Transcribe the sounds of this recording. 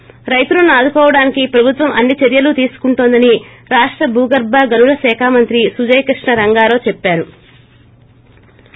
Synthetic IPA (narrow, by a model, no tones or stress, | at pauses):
ɾɐjt̪ulunaːd̪ukɔːʋɐɽaːnikipɾɐbʱut̪ʋɐmɐnːit͡ʃeɾjɐlut̪iːsu̥kuɳʈoːnd̪ɐni | ɾaːʂʈɾɐbʱuːɡɐɾbaɡɐlulɐsɛːkʰaːmɐnt̪ɾisud͡ʒɐjkɾiʂɳɐɾɐŋɡaːɾo̞ːt͡ʃepːaːɾu